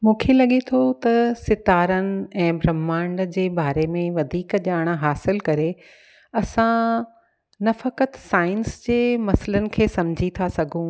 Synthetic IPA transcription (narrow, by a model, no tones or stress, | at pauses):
mũːkʰelɐɠet̪ʰot̪ɐsɪt̪aːɾənɪ̆ɛ̃ːbɾɐmːãːɳɖd͡ʑeːbaːɾemẽʋɐd̪ʱiːkʄaːɽ̃ɦaːsɪlkɐɾe | ɐsã | nɐfɐkət̪saːɪnsd͡ʑeːmɐsələnɪ̆kʰeːsɐmd͡ʑʱit̪ʰasɐɡʱũ